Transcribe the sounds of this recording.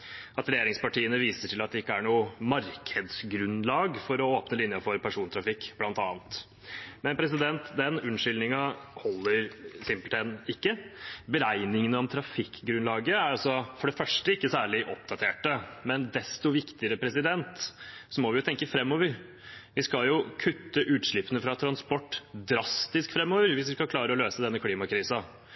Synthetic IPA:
ʔɑt̪ɾɛjeːɾɪŋspɑʈʰiːənəʋiːsəʈɪlɑt̪̚d̪ɛɪkːəæɳuːmɑɾkʰəd̪sɡɾʉnlɑːɡfɔɾɔoːpnəlɪnjɑfɔɾpʰæʂuːnt̪ʰɾɑfɪkːblɑnt̪ɑːnt̪ | mɛnpʰɾɛs̬ɪd̪ɛnt̪d̪ɛnʉnʂʏlnɪŋɑhɔlːəɾsɪmpəlt̪ʰɛnɪkːəbəɾæɪnɪŋənəɔmt̪ʰɾɑfɪkːɡɾʉnlɑːɡəæɾɑlsɔfɔɖɛfœʂʈəɪkːəsæːɭɪʔɔp̚d̪ɑt̪ʰeːʈəmɛnd̪ɛst̪ɔʋɪkt̪ɪəɾəpʰɾɛsɪd̪ɛnt̪sɔmɔʋɪjʊt̪ʰɛŋkəfɾɛmːoːʋəɾ | ʋɪskɑljʊkʰʉt̪ːəʔʉːt̪ʂɭɪpːənəfɾɑt̪ʰɾɑnspɔʈːd̪ɾɑst̪ɪskfɾɛmːoːʋəɾʋɪsʋɪskɑkʰlɑːɾəɔløːsəd̪ɛnːəkʰliːmɑkʰɾiːsɑ

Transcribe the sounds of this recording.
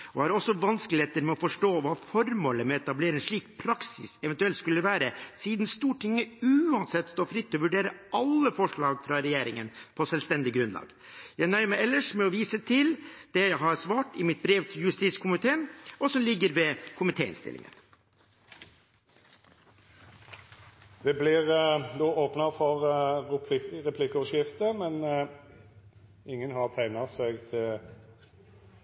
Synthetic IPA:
ɔhɑɾɔsːɔʋɑnsklɪheːt̪əɾmɛɔfɔʂʈoːʋɑːfɔɾmoːləmɛɛt̪ɑbleːɾɪnʂɭiːkpʰɾɑksɪsɛʋɛnt̪ʉɛlt̪skʉlːəʋæːɾəsiːd̪n̩st̪uːʈʰɪŋːəʉːɑnsɛt̪ːst̪oːfɾɪt̪ːɔɔʋʉɖeːɾəɑlːəfɔʂɭɑːɡfɾɑɾɛjeːɾɪŋənpʰɔsɛlst̪ɛnd̪ɪɡɾʉnlɑ̰ːɡ̥ | jæɪnœʏəmæɪɛlːəʂmɛɔʋiːsət̪ʰɪld̪̥ɛjæɪɦɑɾsʋɑːʈɪmɪt̪̚bɾeːʋt̪ʰɪjʉst̪it̪skʰʊmɪt̪ʰeːənɔsɔmlɪɡːəɾʋɛkʰʊmɪt̪ʰeːɪ̰nst̪ɪ̰lɪ̰ŋə̰n | d̪ɛblɪʁd̪oːʔoːpnɑfɔɾ | ʁɛpʰlɪkʊʃɪft̪əmɛn | ɪŋːənhɑʁt̪ʰæɪnɑsɛɡt̪ʰɪl

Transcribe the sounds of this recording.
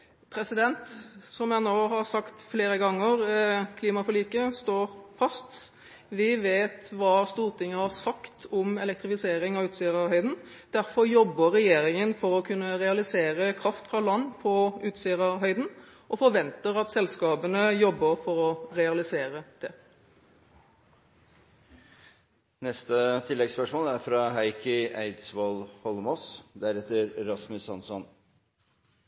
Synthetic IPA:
pʰɾɛsɪd̪ɛnt̪sɔmjænoːhɑɾsɑkt̪fleːɾəɡɑŋːəɾkʰliːmɑfɔliːkəst̪oːɾfɑst̪ | ʋɪʋeːt̪ʋɑːst̪uːɾt̪ʰɪŋːəhɑɾsɑkt̪ʰɔmɛlɛk̚t̪ɾɪfɪseːɾɪŋɑʋʉːt̪siːəɾɑʋɦœʏd̪n̩ | d̪̥æɾfɔɾjɔbːəɾɛjeːɾɪŋənfɔɾɔkʰʉnːəɾɛɑlɪseːɾəkʰɾɑft̪fɾɑlɑnːpʰɔʉːt̪siːəʁɑɦœʏd̪n̩ | ʔɔfɔɾʋɛnt̪əɾɑt̪sɛlskɑːbənəjɔbːəɾfɔɾɔɾɛɑlɪseːɾəd̪̥ɛ | nɛst̪ət̪ʰɪlːɛɡspœʂmoːlæɾfɾɑɦæɪkəʔæɪd̪sʋoːlhɔlmɔsd̪æɾɛt̪ːəɾɾɑsmʉsɑnsɔn

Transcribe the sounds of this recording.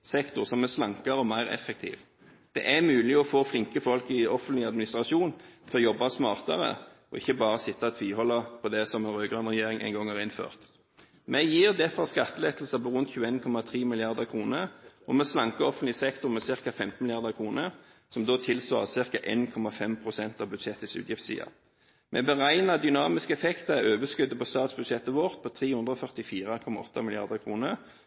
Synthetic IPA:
sɛkt̪ʊʁsɔmːɛslɑŋkɑɾəɔmæɪʁɛ̰fːɛk̚t̪ʰḭːʋ | d̪̥ɛ̰ʔæmʉːlɪɔfoːflɪŋkəfɔlkɪɔfənt̪lɪɑd̪mɪnɪst̪ʁɑʃuːnt̪ʰɪɔjɔbːɑsmɑːʁt̪ɑ̰ʁə̰ | ɔɪçːəbɑːʁəsɪt̪ːɑt̪ʰʋiːhɔlːəpʰɔd̪ɛsɔmɛnʁøːɡʁʉnʁɛjeːʁɪŋʔæ̰ɪŋɡɔŋhɑʁɪnfø̰ːʁt̪ | mʔɛjiːʁd̪ɛfɔʁskɑt̪ːəleːt̪l̩səpɔʁʉnt̪çʉːəeːnkʰɔmɑt̪ʰʁiːmɪlɪɑʁd̪əʁkʰʁuːnəɔmɛslɑŋkəɔfənlɪsɛkt̪ʊʁmɛsɪʁkɑfɛmt̪n̩ɪlɪɑʁd̪əkʰʁuːnə | sɔmd̪oːt̪ʰɪlsʋɑ̰ːʁəsɪʁkɑʔeːnkʰɔmɑfɛmpʰʁʊsɛnt̪ɑʋbʉd̪ʃɛt̪ːəsʉ̰ːt̪jɪft̪sḭːɑ̰ | mʔɛ̰bəʁæɪnɑd̪ʏnɑːmɪskəɛfɛkt̪əɛøːʋəskʉd̪ːəpʰɔst̪ɑːt̪sbʉd̪ʃɛt̪ːəʋɔʁt̪̚pʰɔt̪ʰʁiːhʉnd̪ʁəɔfœʁt̪ɪfiːʁɑkʰɔmɑɔt̪ːɑmɪlɪɑ̰ʁd̪əkʰʁuːnəʁ

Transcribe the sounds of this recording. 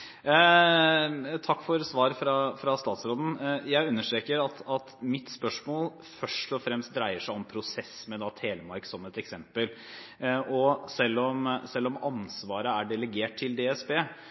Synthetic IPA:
t̪ʰɑkːfɔɾsʋɑːɾəfɾɑfɾɑst̪ɑːt̪sɾoːd̪n̩jæɪʉnːəʂʈɾeːkəɾɑt̪ɑt̪mɪt̪spœʂmoːl | fœʂʈɔfɾɛmst̪̚d̪ɾæɪəʂæɪɔmpʰɾʊsɛsmɛd̪ɑt̪ʰheːləmɑɾksɔmɛt̪ɛksɛmpəl | ʔɔsɛlːɔmsɛlːɔmɑnsʋɑːɾəæɖɛləɡeːʈ̚t̪ʰːɪld̪eːɛsbeː

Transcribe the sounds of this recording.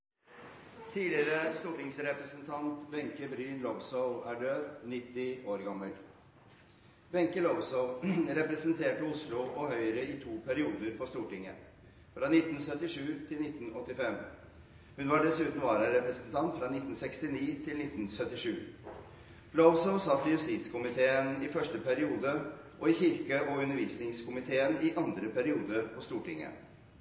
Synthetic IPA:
t̪ʰiːlɪɾəst̪uːʈɪŋsɾɛpɾəsənt̪ʰɑnt̪bɛŋkəbɾyːnlɔʋsɔʋæːɖøːd̪nɪt̪ːɪoːɾɡɑmːəl | bɛŋkəlɔʋsɔʊɾɛpɾəsənt̪ʰeːʈəʊslʊʔɔhœʏɾəɪt̪ʰuːpʰæɾɪuːd̪əɾpʰɔst̪uːʈɪŋə̰ | fɾɑːnɪt̪ːn̩sœt̪ːɪʂʉːt̪ʰɪlnɪt̪ːn̩ɔt̪ːɪfɛm | hʉnʋɑɖɛsʉːt̪n̩ʋɑːɾəɾɛpɾəsənt̪ʰɑnt̪fɾɑnɪt̪ːn̩sɛkst̪ɪniːt̪ʰɪlnɪt̪ːn̩sœt̪ːɪʂʉː | lɔʋsɔʊsɑt̪ːɪjʉst̪iːt̪skʰʊmɪt̪ʰeːənɪfœʂʈəpʰæɾɪuːd̪ə | ʔɔɪçɪɾkəʔɔʉnːəɾʋiːsnɪŋskʰʊmɪt̪ʰeːənɪʔɑnd̪ɾəpʰæɾɪuːd̪əɾpʰɔst̪uːʈɪŋːə̰

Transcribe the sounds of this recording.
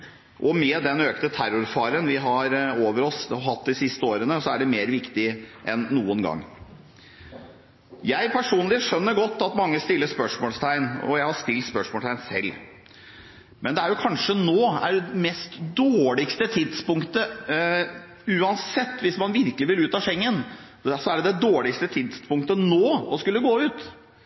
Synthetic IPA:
ʔɔmɛːd̪ɛnøːknət̪ʰæɾʊɾfɑːɾənʋɪɦɑɾoːʋəɾɔsɦɑt̪ːd̪ɪsɪst̪əoːɾənəsɔæɖɛmeːɾʋɪkt̪ɪʔɛnːuːənɡɑ̰ŋː | jæɪpʰæʂuːnlɪʂœnːəɾɡɔt̪ːɑt̪mɑŋːəst̪ɪlːəspœʂmoːlst̪ʰæɪnɔ̰jæɪhɑʂt̪ɪlt̪spœʂmɔːt̪ʰæɪnsɛ̰lː | mɛnd̪ɛæɾjʊkʰɑnʂənoːæ̰ɖɛmɛst̪d̪oːɭɪkst̪ət̪ʰɪd̪spʊŋkt̪ə | ʉːɑnsɛt̪ːʋɪsmɑnʋɪɾkəlɪʋɪlʉːt̪ɑʂɛŋːən | sɔæɖɛd̪ɛd̪oːɭɪkst̪ət̪ʰɪd̪spʊŋkt̪ənoːɔskʉlːəɡoːʉːt̪

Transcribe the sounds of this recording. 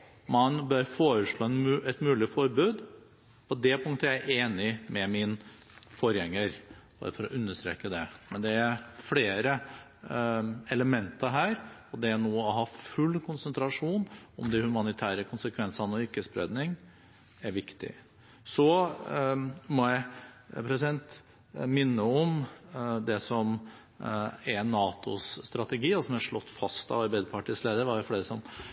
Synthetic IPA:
mɑnbøɾfoːɾəʂɭoːɛnmːɛt̪mʉːlɪfɔɾbʉːd̪ | pʰɔd̪ɛpʰʊŋt̪əjææʔeːnɪmɛmɪn | fɔɾjɛŋːəɾb̥ɑ̰ɾəfɔɾɔʔʉnːəʂt̪ɾḛːkəd̪ɛmɛnd̪ɛæɾfleːɾə | ɛləmɛnt̪əɾɦæːɾɔd̪ɛænoːɔɦɑːfʉlːkʰʊnsənt̪ɾɑʂuːnɔmd̪ɪhʉmɑnɪt̪ʰæːɾəkʰʊnsəkʰʋɛnsɑnəɔɪɾkːəspɾɛ̰d̪nɪŋ | æɾʋɪkt̪ɪ̰ | sɔ | mɔjæɪpʰɾɛsɪd̪ɛnt̪ | mɪnːəɔm | d̪ɛsɔm | ænɑːt̪ʊ̰sːt̪ɾɑt̪əɡiːɑlsɔmæʂɭɔt̪ːfɑst̪ɑ̰ʋɑɾbæɪd̪əpʰɑʈisleːd̪əɾʋɑjʊfleːɾəsɔm

